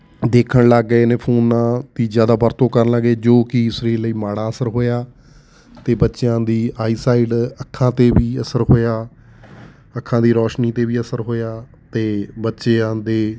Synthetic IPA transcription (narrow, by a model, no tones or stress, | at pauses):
d̪eːkʰəɳləɡːeːnẽːpʰoːnːãːt̪iːzjaːd̪aːbəɾt̪õːkəɾnləɡeːd͡ʒoːkɪsɾiːləiːmaːɽaːəsəɾɦoːjaː | t̪eːbətːʃjãːd̪iːaːiːsaːɪɖəkʰːãːt̪eːʋiːəsəɾɦoːjaː | əkʰːãːd̪iːɾɔːʃniːt̪eːʋiːəsəɾɦoːjaː | t̪eːbətːʃeːãːd̪eː